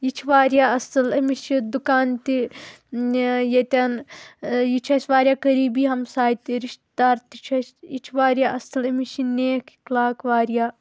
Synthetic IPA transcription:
jit͡ʃʰʋaːɾjaːɐsɨlɐmiʃid̪ukaːnt̪i | jɐt̪ʲaːn | jit͡ʃʰɐsʋaːɾjaːkɐɾiːbiːɦɐmsaːit̪iɾiʃt̪d̪aːɾt̪it͡ʃʰɐsjit͡ʃʰʋaːɾjaːʔɐsɐlɐmiʃineːkklaːkʋaːɾjaː

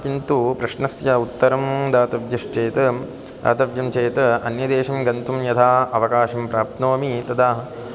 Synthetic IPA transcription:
kint̪upɾɐʃnɐsjɐut̪ːɐɾɐmd̪aːt̪ɐʋjɐʃt͡ʃeːt̪ɐ | d̪a̰ːt̪ɐʋjɐmt͡ʃeːt̪ɐɐ̰njɐd̪eːʃɐmɡɐnt̪umjɐt̪ʰaːɐʋɐkaːʃɐmpɾaːp̚t̪noːmit̪ɐd̪aːɦɐ

